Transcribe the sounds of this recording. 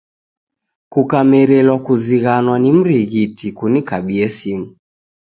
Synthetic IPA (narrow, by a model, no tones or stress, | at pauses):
kukamɛɾɛlwakuziɣanwanim̩ɾiɣitikunikaɓiɛsimu